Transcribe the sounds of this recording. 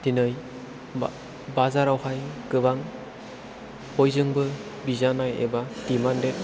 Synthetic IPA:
tinɯj | bazaɾawhajɡɯβaŋ | hojzɯŋbɯ | bizanajḛbatimandet

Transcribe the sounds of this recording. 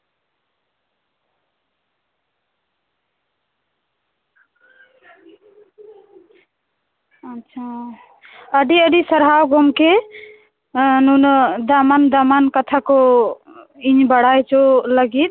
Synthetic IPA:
ətːt͡ʃʰa | əɖiəɖisəɾɦawɡʱɔmke | nunɔd̪amand̪amankət̪ʰakɔ | iɲbəɽajt͡ʃoləɡit̪̚

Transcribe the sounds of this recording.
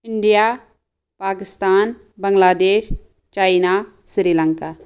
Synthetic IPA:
ɪɳɖijaː | paːkɪst̪aːn | bɐŋɡlaːd̪eːʃ | t͡ʃaːɪnaː | sɾiːlə̃ŋkaː

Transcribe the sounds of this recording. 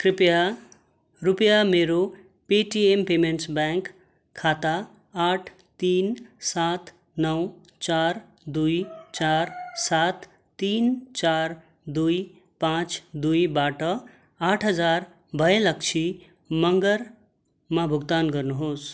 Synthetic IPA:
kɾipja | ɾupjameɾo | peʈiempemeɳʈsbɛŋk | kʰːat̪aː | ʈʰ | t̪ːinsat̪ | nʌw | t͡ʃaɾ | d̪ujt͡ʃaɾsat̪ː | int͡ʃaɾ | d̪uj | pãt͡ʃd̪ujbaʈʌ | aʈʰɦəd͡zaɾ | bʱəjlək̚t͡ʃʰi | mʌŋɡəɾ | mabʱuɡt̪anɡʌɾnuɦoːs

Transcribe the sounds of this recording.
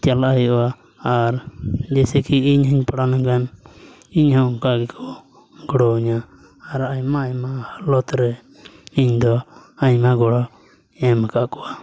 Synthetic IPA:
t͡ʃalʔajɔwaː | ɾd͡ʒɛsɛkiiɲɦiɲpaɽanaŋɡan | iɲhɔkaɡɛkʰɔ | ɡɔɽɔuɲaː | ɾaɲmaːɲmahalɔt̪ɾɛ | iɲd̪ɔaɲmaɡɔɽɔ | ɛmakaʔkɔa

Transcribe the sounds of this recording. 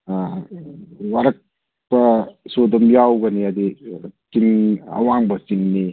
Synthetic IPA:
waɾɐk̚ | bɐsod̪ɐmjawɡɐniɐd̪itiŋɐ̰waŋbɐsiŋni

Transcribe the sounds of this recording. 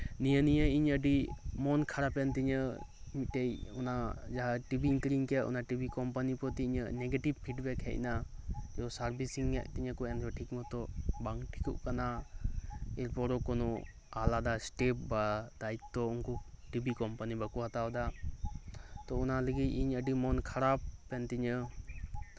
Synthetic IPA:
nijənijəiɲəɖimɔnkʰaɾapɛnt̪iɲəmitːejunad͡ʒaɦaʈibʱiŋkɾiŋkɛʔṵnaʈibʱikɔmpanipɔt̪iɲəneɡeʈibpʰiʈbɛkʰhɛ̰ʔnajɔsaɾbʱisiŋːɛʔ̚t̪iɲəkɔɛnɾɔʈʰikmɔt̪ɔbaŋkʈʰi̥kuʔkana | ɛɾpɔɾɔkɔnɔ | alad̪asʈep̚bad̪ait̪ːɔunkɔʈibʱikɔmpanibakuɦat̪awd̪a | t̪ɔunaləɡiciɲəɖimɔnkʰaɾapːɛnt̪iɲə

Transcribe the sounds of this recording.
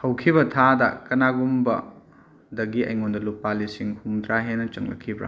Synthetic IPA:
hɐwkʰibɐtʰadɐkɐnaɡumbɐ̰ | dɐɡiʔɐ̰jŋondɐlupːalisiŋhumd̪ɾaɦenɐt͡ʃɐ̰ŋlɐ̰kʰːibɾa̰

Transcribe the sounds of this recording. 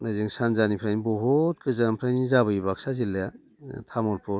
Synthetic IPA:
nɯzɯŋsanzanipʰɾajnibɔɦɔt̚kʰɯzampʰɾajnizaβɯibaksazilːeja | tʰamɔɾpʰɔɾ

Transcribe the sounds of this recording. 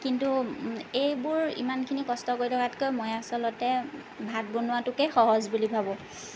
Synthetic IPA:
kintuejbʊɹḭmankʰinikɔstɔkojtʰɔkatkojmojasɔlɔtɛ | bʱat̚bonʊwatʊkɛxɔɦɔzbulibʱabɔ

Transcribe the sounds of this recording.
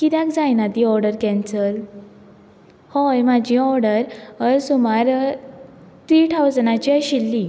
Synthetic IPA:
kit̪jakd͡zajnat̪iɔɾɖəɾkɛ̃nsəl | hɔjmad͡ʑiɔɾɖəɾəɾsumaɾ | t̪ɾiːʈʰawd͡znat͡ɕiəɕilːi

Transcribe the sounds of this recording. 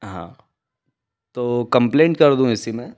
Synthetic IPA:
ɦã̰ː | t̪oːkɐ̃mplẽːɳʈkɐɾd̪ũɪsimẽː

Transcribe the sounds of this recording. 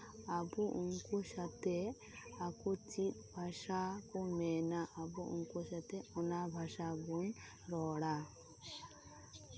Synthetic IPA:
abuʔunkɔsat̪ɛ | akut͡ʃit̪̚bʱaʃakɔmɛnaʔabuṵnkɔsat̪ɛɔnabʱasabun | ɾɔɽa

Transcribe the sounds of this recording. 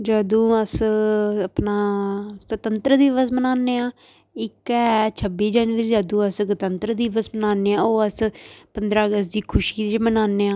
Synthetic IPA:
d͡ʒaːd̪ũːəsəpnaːsət̪ənt̪ɾəd̪iːʋəsmənaːnːeːaː | ɪkɛːt͡ʃʰəbːiːd͡ʒaːnʋəɾiːd͡ʒəːd̪ũːəsɡət̪ənt̪ɾəd̪iːʋəsmənaːnːeːãːoːəspənd̪ɾaːəɡəst̪d̪iːkʰʊʃiːt͡ʃmənaːnːeːãː

